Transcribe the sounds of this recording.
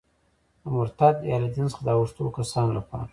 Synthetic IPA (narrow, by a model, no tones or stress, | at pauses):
d̪əmʊɾt̪ad̪jɑlad̪ɪnsχd̪ɑwʊʂt̪okasɑnlapɑ̰ɾa